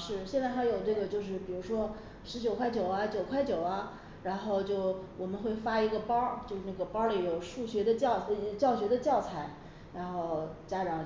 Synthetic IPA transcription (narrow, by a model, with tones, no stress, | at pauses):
ʂɻ̩˥˩ɕjɛ˥˧nt͡sɪxa˧˥ɪjo˨˩ʊʈ͡ʂɤ˥˩ɡə˩t͡ɕjo˥˧ʊʂ̬ɻ̩˥˩pi˨˩ɻu˧˥ʂwɔ˥ | ʂɻ̩˧˥t͡ɕjʊkʰwa˥˩ɪt͡ɕjo˨˩ʊɐ˦t͡ɕjo˨˩ʊkʰwa˥˩ɪt͡ɕjo˨˩ʊɐ˦ | ɻa˧˥nxo˥˧ʊt͡ɕjo˥˩ʊwʔɔ˨˩mə˦nxwe˥˩ɪfa˥i˧˥ɡə˧pɑ˥t͡ɕjo˥˧ʊʂn˥˩ɡə˩pɑ˥li˨˩˥jo˨˩ʊʂu˥˩ɕɥɛ˧˥d̪ə˧t͡ɕɑ˥˧ʊt͡ɕjɑ˥˩ʊɕɥɛ˧˥d̪ə˧t͡ɕjɑ˥˩ʊt͡sʰa˥˩ɪ | ɻa˧˥nxo˥˩ʊt͡ɕja˥ʈ͡ʂɑ˨˩ŋ